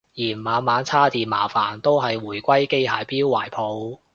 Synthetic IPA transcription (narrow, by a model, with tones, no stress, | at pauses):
jiː˨˩nmaː˨˧nmaː˨˧nt͡sʰaː˥t̪iː˨nmaː˨˩faː˨˩nt̪o˥wɦɐ˨jwuː˨˩jkʷɐ˥jke˥jhaː˨˧jpiː˥wːaː˨˩jpʰo˨˧w